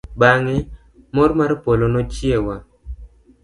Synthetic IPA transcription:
baŋɛ | mɔɾmaɾpolonɔt͡ʃjewa

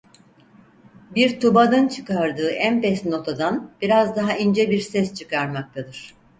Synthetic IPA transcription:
biɾt̪ʰubad̪ɯnt͡ʃʰɯ̥kaɾd̪ɯːʔænpɛsno̞t̪ʰad̪anb̥iɾazd̪aɦaind͡ʒɛbiɾsɛst͡ʃʰɯkaɾmak̚t̪ʰad̪ɯɾ̥

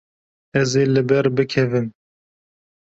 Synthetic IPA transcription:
ɛzeːlɨbɛɾbɨkʰɛvɨm

